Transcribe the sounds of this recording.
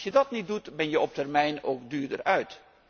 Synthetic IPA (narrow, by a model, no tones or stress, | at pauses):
sjədɑtnit̚dutbɛnjəʔɔp̚tɛrmɛjnoːkdyːɹdə̰rœɥt